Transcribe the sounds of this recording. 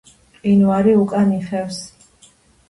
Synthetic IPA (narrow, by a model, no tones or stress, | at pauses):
qʼinwaɾiukʼaniχɛfs